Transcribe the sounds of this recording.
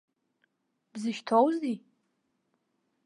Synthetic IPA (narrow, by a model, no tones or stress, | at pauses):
b̥zɨʃtʰowzdi